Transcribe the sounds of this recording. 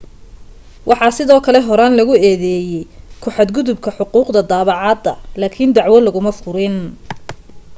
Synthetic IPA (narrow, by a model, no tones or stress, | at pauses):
wʔɑħɑːsɪðɔːkʰɐlɛɦɔɾaːnlɐɣʊɛːðɛːjɛjkʰʊħɑd̪ɡʊðʊb̚kʰɐħʊquːqd̪ɐd̪aːβɑʕɑːd̪ɐ̰laːkʰɪnd̪ɑʕwɐlɐɣʊmɐfʊɾɪn